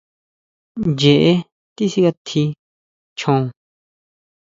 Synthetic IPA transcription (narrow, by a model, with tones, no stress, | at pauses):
je˨ʔe˦ | t̪i˦si˧ɣa˧t̪ʰi˧ | t͡ʃʰõ˨˧˨